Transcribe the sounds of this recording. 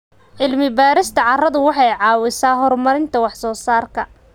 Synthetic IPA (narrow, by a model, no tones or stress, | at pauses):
ʕɪlmɪbaːɾɪst̪ʰɐʕɑrɐðʊwɑħɑjʕɑːwɪsaːɦɔrmɐɾɪnt̪ʰɐwɑħsɔːsaːrkʰɐ